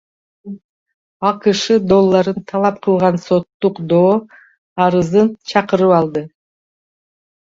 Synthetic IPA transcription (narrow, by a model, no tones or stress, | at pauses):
ɑqɯʃɯd̪o̞lˠːɑɾɯnt̪ʰɑlˠɑp̚qʰɯlˠʁɑnso̞t̪ːuqd̪oː | ɑɾɯzɯnt͡ʃʰɑqɯɾɯpɑlˠd̪ɯ